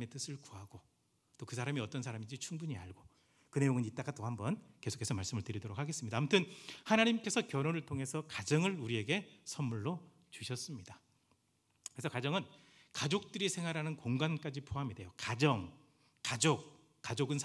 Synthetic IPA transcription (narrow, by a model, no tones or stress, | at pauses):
e̞t͈ɯsʰɯɭkuɦaɡ̥o | t͈okɯsʰaɾamiʌt͈ʌnsʰaɾamid͡ʑit͡ɕʰuŋbuɲia̰ɭɡo | kɯne̞joŋɯnit͈̚aɡat͈ohambʌnkesʰo̥kʰesʰʌmaɭs͈ɯmɯɭtɯɾidʌɾok̚ʰaɡe̞s͈ɯmɲidaːmutʰɯnhanaɲimk͈e̞sʰʌkjʌɾonɯɭtʰoŋɦe̞sʰʌkad͡ʑʌŋɯɾuɾie̞ɡe̞sʰʌnmuɭːo | t͡ɕuɕʰʌs͈ɯmɲida | kɾesʰʌkad͡ʑʌŋɯn | kad͡ʑok̚t͈ɯɾisʰe̞ŋɦaɾɦanɯnkoŋɡank͈ad͡ʑipʰoɦamide̞jokad͡ʑʌŋ | kad͡ʑok͈̚ | ad͡ʑoɡɯnsʰ